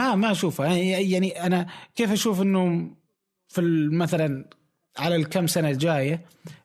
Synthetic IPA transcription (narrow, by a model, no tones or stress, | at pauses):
ʔaːmaʔaʃuːfaaajaʕniʔanakeːfʔaʃuːfɪnːoːm | fimaθalan | ʕalalkamːsanald͡ʒaːja